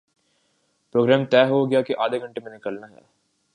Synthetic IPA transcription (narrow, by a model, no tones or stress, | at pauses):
pɾoːɡɾɛːmt̪ɛːɦoɡɪjakeʔaːd̪ʱeɡʱɐ̃ɳʈemẽnɪkəlnaɦɛ̰ː